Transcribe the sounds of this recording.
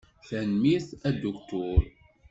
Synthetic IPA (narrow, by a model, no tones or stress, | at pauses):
θænmiθæd̪ʊkt̪ʊɾ